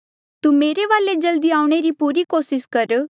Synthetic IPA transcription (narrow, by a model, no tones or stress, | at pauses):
t̪uːmeːɾeʋaːled͡ʒɐld̪iaːʊɽ̃eɾipuːɾikoːsɪskɐɾ